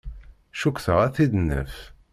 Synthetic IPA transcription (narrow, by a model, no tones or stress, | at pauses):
ʃukːθəʁæθid̪ənːə̰f